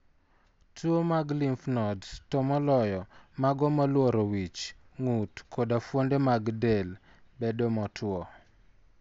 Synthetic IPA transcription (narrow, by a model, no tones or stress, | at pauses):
twomaɡlimfnɔdtɔmɔlɔjɔmaɡɔmalwoɾowit͡ʃ | ŋutkodafwondemaɡdel | bedomɔtʰwɔ